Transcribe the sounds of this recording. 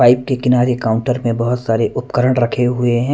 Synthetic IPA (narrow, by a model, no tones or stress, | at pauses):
aːɪp̚kekɪnaːɾekaːʊ̃ɳʈəɾmẽbɐɦʊt̪saːɾeʔʊpkəɾəɽ̃ɾɐkʰeɦʊeɦɛ̃